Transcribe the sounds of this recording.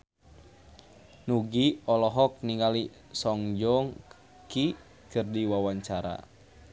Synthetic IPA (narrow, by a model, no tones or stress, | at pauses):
nuɡiɔlɔɦɔk̚niŋali | sɔŋd͡ʒɔŋ | ki | kɨrdiwawaɲt͡ʃaɾa̰